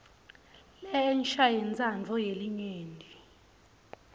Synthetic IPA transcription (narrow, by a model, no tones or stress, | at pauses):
lɛɛnʃajint͡sʼand͡ɮʱɔjeliɲeːndʱi